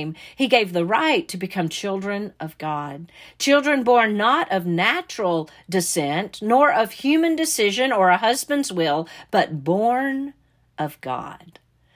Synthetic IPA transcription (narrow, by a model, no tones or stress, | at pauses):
miɡeɪvðəɹaɪtʰɨbɨkʰʌ̃mt͡ʃʰɪlˠdɹɨ̃nʔʌvɡɑd̚t͡ʃʰɪlˠdɹɨ̃nbɔɹnːəɾʔʌvnæt͡ʃɹl̩ˠ | dɨsɛ̃nʔnɔɹʔʌv̥hjʉmɨ̃ndɨsɪʒɨ̃nə˞əɦʌzbɨ̃ndzwɪlˠb̥ʌt̚b̥ɔɹn | ʔʌvɡɑ̰d̥